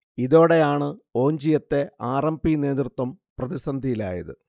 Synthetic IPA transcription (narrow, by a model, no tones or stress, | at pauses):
iðo̞ːɽe̞aːɳɨo̞ːɲd͡ʑijɐt̪ːe̞aːrɐmbine̞ːd̪rɨt̪wɐm | prɐðisɐnd̪ʱijila̰ːjɐ̰ðɨ̰